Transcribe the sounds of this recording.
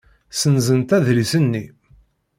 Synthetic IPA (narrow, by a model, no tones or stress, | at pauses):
sənzənt̪æðɾisənːi